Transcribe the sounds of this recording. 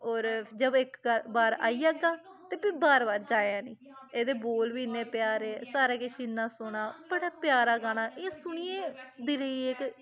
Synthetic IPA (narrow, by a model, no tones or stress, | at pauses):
oːɾd͡ʒəbɪkːəbaːɾa̰ːiːaːɡaː | t̪eːpĩbaːɾbaːɾd͡ʒaːãːniː | eːd̪eːboːlʋiːnẽːpjaːɾeːsaːɾaːkɪʃiːnːaːsʊɳaːbəɽaːpɪjaːɾaːɡaːnaːʔeːsʊɳ̃iːẽːd̪iːɾəiːek